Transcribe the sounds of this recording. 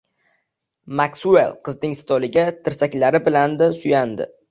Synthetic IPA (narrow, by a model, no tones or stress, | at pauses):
maksuḛlˠqʰɨznɪŋsɪ̥t̪ʰɒlɪɡʲat̪ʰɪɾsakʲlaɾɪbɪland̪asʊjand̪ɪ̰